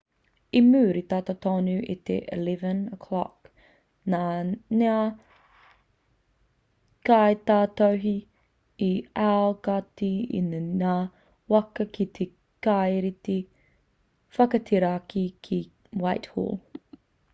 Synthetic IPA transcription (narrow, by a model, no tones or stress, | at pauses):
imʉːɾit̪aːt̪at̪ʰonʉʔit̪ḛʔḭlɛvənəkʰlɑ̰k | nanea | kaet̪aːt̪owɦi | iaokatiḭnna | wɐkɐkit̪ʰe | kajɾit̪e | fɐkɐt̪ʰeɾaakʰikʰi | wajthṵːl